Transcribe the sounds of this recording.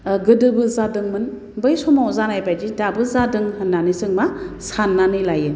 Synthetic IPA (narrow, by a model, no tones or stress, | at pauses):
ɡɯdɯbɯzadɯŋmɯn | bɯjsɔmawzanajbajd͡ʒidabɯzadɯŋhɯnːanisɯŋmasanːanɯjlajɯ